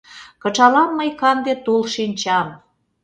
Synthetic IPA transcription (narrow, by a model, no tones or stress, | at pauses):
kə̆t͡ʃɑlɑmːəjkɑnd̪et̪ulʃinʲt͡ɕɑm